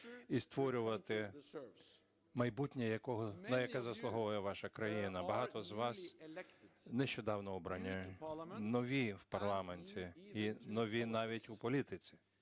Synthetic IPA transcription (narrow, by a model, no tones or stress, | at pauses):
ist̪ʋɔɾʲʊʋɐt̪ɪ | mɐjbutʲnʲɐjɐkɔɦɔnɐjɐkɛzɐslˠʊɦɔʋɐjɛʋɑʃɐkɾɐjinɐbɐɦɑt̪ɔzʋɑs | nɛʃt͡ʃɔd̪ɑwnɔɔbɾɐnʲːɐnɔʋʲiwpɐrlˠɑmenʲtʲiːnɔʋʲinɑʋʲitʲupɔlʲit̪ɪt͡sʲi̥